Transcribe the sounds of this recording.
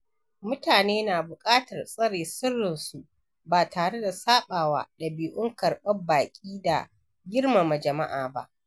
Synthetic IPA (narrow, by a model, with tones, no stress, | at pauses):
mʊ˦taː˨neː˦naː˨bʊ˨kʼaː˦tɐ˨rsʼɐ˦ɽeː˨sʊ˦rːɪ˨nsu˨ʔ | baː˨tʰaː˨ɽe˦da˨saː˦ɓaː˨wa̰ː˦dɐ˨biː˨ʔʊ˦ŋkɐ˨rɓɐ˦baː˨kʲʼiː˦da̰˨ | ɡʲɪ˦rma˨ma˨d͡ʒɐ˨ma˦ʔaː˨ba̰˦ʔ